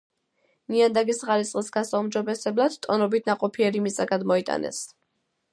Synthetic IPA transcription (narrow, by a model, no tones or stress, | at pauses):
niand̪aɡisʁaɾitsʼqʼisɡasaumd͡ʒɔbɛsɛblˠad̪̥t̪ʼːɔnɔbit̪ʰnaqʼɔpʰiɛɾimit̪sʼaɡad̪mɔit̪ʼa̰nɛ̰s